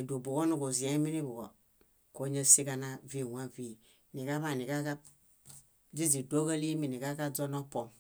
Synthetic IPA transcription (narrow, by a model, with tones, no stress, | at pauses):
i˨du˨bu˨ko˦nu˨ko˨zi˨a˦mi˦ni˦bu˨ɡɔ˨ | ko˦ɲə˦si˦ka˦na˦vi˦˨wʷa˦vi˦˨ | ni˨ka˦βa˦˨ni˨ka˦ka˦ | d͡zi˦zi˨do˦ɡə˦li˦mi˨ni˨ka˦ka˦d͡zɔ˦nɔ˦pɔ˨